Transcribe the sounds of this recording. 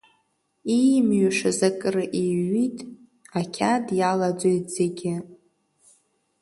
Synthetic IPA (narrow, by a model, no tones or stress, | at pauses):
ijmɥaʂazakʼɨrɨʔiɥitʼ | akʲʰadjalad͡zʷojtʼzeɡʲɪ